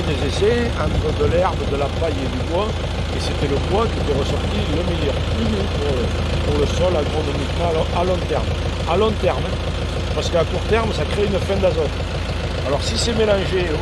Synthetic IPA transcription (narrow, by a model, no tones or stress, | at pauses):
d̪ezese | ɑ̃nt̪χəd̪əlɛʁbəd̪əlapaɲed̪ybwa | eset̪ɛləbwakiet̪ɛʁəsɔʁt̪iynəmejœʁpypuʁ | puʁləsɔlaɡʁonomik̪aɔalɔ̃t̪ɛʁm | alɔ̃t̪ɛʁm | paʁsəkəakuʁt̪ɛʁməsakχeynəfɛ̃d̪azɔt̪ | alɔʁsisemelɑ̃ʒe